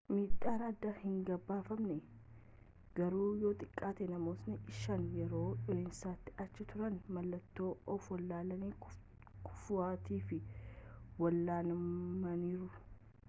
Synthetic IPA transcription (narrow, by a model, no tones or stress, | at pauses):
miːt̪ʼːaːɾaːd̪ːaːhɪŋɡɐbːaːfɐmnɛ | ɡ̥ɐɾuːjo̞ːt̪ʼɪkʼːaːt̪ɛnɐmoːsnɪʔɪʃɐnjɛɾo̞ːᶑɔeːnsaːt̪ːɪ̥ɐt͡ʃːɪt̪ʊɾɐnmɐlːɐt̪ːo̞ːɔfwɐlːaːlɐniː | kʰʊ̥fʊaːt̪iːfɪ | wɐlːaːnmɐniːɾʊ